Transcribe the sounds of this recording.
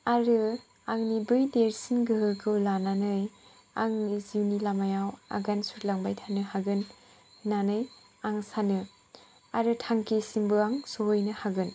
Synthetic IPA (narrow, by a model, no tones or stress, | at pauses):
aɾɯ | aŋnibɯjdeɾsinɡɯɦɯkʰɯwlananɯj | a̰ŋiziwnilamajawa̰ɡansut̚laŋbajtʰanɯhaɡɯn | nanɯj | aŋsanɯ | aɾɯtʰaŋkesimbɯaŋsoɦojnɯhaɡɯn